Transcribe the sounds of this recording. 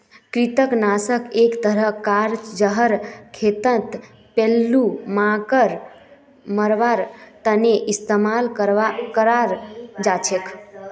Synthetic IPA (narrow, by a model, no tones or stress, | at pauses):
kɾit̪əknasəkekt̪əɾəɦkaɾd͡ʒəɦəɾkʰet̪ə̃nt̪ | pelːumãkəɾ | məɾʋaɾt̪əneʔist̪emalkəɾakəɾaɾd͡ʒat͡ʃʰek